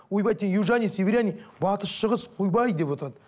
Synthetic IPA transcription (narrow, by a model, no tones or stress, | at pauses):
wojbɑjt̪ejuwʒanʲijseveɾjanijbɑt̪əʃʃəʁəsqʰujbɑjd̪e̞pwo̞t̪əɾɑd̪ə